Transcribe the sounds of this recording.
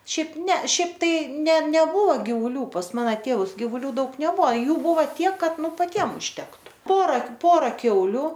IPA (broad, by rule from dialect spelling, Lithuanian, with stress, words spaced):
ˈʃʲɛɪp nʲɛ ˈʃʲɛɪp ˈtɐɪ nʲɛ nʲɛˈbʊʋoː ɡʲɪʋʊˈlʲuː pɐs ˈmɑːnɐ ˈtʲeːʋʊs ɡʲɪiːʋʊˈlʲuː ˈdɐʊk nʲɛˈbʊɐ ˈjuː ˈbʊʋɐ ˈtʲiɛk ˈkɐt ˈnʊ pɐˈtʲiɛm ʊʃʲtʲɛktʊ ˈpoːrɐ ˈpoːrɐ ˈkʲɛʊlʲʊ